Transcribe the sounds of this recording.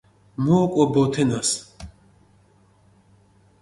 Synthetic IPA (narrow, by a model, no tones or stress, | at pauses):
mɔːkʼɔbɔt̪ʰɛnas